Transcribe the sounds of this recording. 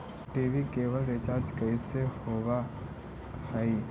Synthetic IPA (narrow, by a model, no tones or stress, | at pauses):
ʈiːʋikeːʋəlɾɪt͡ʃaːɾd͡ʒkəisehoːʋa | həi